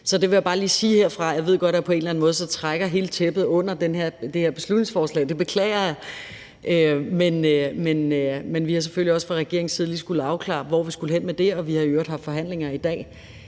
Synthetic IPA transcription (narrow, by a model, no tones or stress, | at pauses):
sɒ̽d̥e̝ʋe̝jäb̥ɑ̈ːliːsiːheɐ̰fʁɑ̈jɑ̈ʋe̝ð̰ˠɡ̥ɒ̽d̥æpʰɒ̽e̝ːnlænmɔ̽ːð̞ˠsɒ̽t͡sʰʁaɡ̥ɐɦe̝ːlət͡sʰeb̥ð̞̩ˠɔ̽n̰ɐd̥enɦeɐ̰d̥eheɐ̰b̥e̝slud̥ne̝ŋsfɒːslɛ̰ɪd̥e̝b̥e̝kʰlɛ̰ɪɐjɑ̈ | ʔømenmenømenʋihɑ̈s̬eføliɒ̽sfʁɑ̈ʁɛɡ̥e̝ɐ̰eŋn̩siːð̞̩ˠliːsɡ̥ul̩ˠɑ̈ʊkʰlɑ̰̈ːʋɒ̰ʋisɡ̥uləɦen̰med̥e̝ɒ̽ʋihɑ̈øːɐd̥hɑ̈ftfɒ̽ɦæn̰le̝ŋɐid̥ɛ̰ː